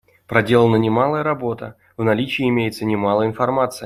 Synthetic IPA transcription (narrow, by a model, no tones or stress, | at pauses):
pɾɐdʲe̞lˠənənʲɪmalˠəjəɾɐbo̞t̪ə̰ | vnɐlʲit͡ɕɪjɪmʲejɪt̪sənʲɪmalˠəɪnfɐrmat̪sɨj